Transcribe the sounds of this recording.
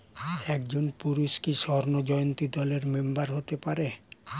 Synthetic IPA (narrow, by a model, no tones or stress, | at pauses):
ɛkd͡ʑonpuɾuʃkiʃɔɾnod͡ʑɔjont̪id̪ɔleɾmembaɾɦot̪epaɾe